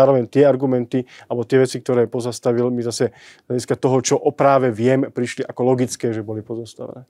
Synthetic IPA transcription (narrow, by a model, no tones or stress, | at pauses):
aːɾɔʋɛɲt̪ɪɛaɾɡumɛnt̪ialbɔt̪ɪɛʋɛt͡sikt̪ɔɾɛːpɔzast̪aʋilmizasɛzlʎaɟiskat̪ɔɦɔt͡ʃɔʔɔpɾaːʋɛʋɪɛmpɾiʃliʔakɔlɔɡit͡skɛːʒɛbɔlipɔzast̪a̰ʋɛ̰nɛː